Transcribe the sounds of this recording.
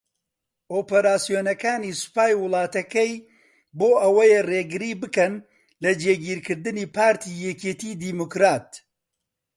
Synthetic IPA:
ʔoːpɐɾaːsijoːnɐkaːnisʊ̥paːjwʊlˠɑːt̪ɐkɐj | boːʔɐwɐjereːɡɨɾiːbɨkɐn | lɐd͡ʒeːɡiːɾkɨɾd̪ɨniːpaːɾt̪ʰiːjɛket̪iːd̪iːmokɾaːt̪

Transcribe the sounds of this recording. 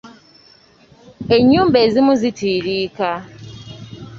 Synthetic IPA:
eɲuːmbezimuzitiːɾiːka

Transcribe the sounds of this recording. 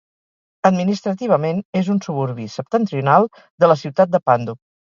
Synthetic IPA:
əd̪minist̪ɾət̪iβ̞əmenezunsuβ̞uɾβisəp̚t̪ənt̪ɾiunalˠ | d̪ələsiwt̪at̪̚d̪əpand̪u

